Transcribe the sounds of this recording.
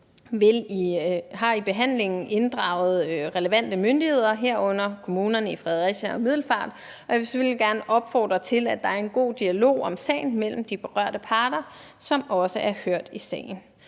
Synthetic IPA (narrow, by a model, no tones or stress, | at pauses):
ʋe̝liɦɑ̈ib̥e̝ɦæn̰le̝ŋn̩ʔe̝nd̥ʁɑ̈ʊð̞̩ˠʁɛləʋæn̰d̥əmønd̥ihe̝ð̞̰ˠɐɦeɐ̰ɔ̽n̰ɐkʰo̝muːnɐnəifʁɛð̞ˠɐʁiɕæɒ̽mið̞̰ˠl̩fɑ̰̈ːd̥ | ɒ̽jaʋe̝seføl̰jiɡ̥æɐnəʔɒ̽b̥fɒ̰ːd̥ʁɐt͡sʰe̝læd̥ɑ̈æɐe̝nɡ̥o̝̰ːd̥iælo̝̰ːɒ̽msɛ̰ːɪn̩mel̰m̩d̥ib̥e̝ʁɶɐ̰ɾ̥əpʰɑ̈ːd̥ɐ | sɒ̽mɒ̽səʔæɐhøɐ̰d̥isɛ̰ːɪn̩